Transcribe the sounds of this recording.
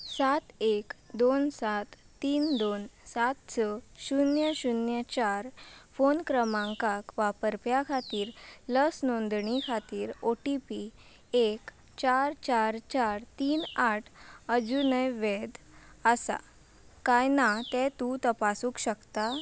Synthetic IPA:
sat̪ekd̪onsat̪ːiːnd̪onsat̪t͡səɕunjəɕunjət͡ɕaɾfonkɾəmãŋkakʋapəɾpjakʰat̪iːɾləsnond̪ɳikʰat̪iːɾoʈipi | ek | t͡ɕaɾt͡ɕaɾt͡ɕaɾt̪iːnaʈʰəd͡zunəjʋed̪ | əsa̰ | kajnat̪ɛt̪ut̪əpasuːkɕəkt̪a

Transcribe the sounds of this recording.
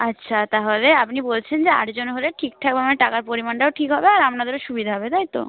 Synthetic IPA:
atːɕʰat̪aɦoleapnibolt͡ɕʰend͡ʑea̰ʈd͡ʑonɦoleʈʰik̚t̪ʰak̚bemaneʈakaɾpoɾimanʈaoʈʰikɦɔbeaɾamnad̪eɾoʃubid̪ʱaɦɔbet̪ajt̪o̰

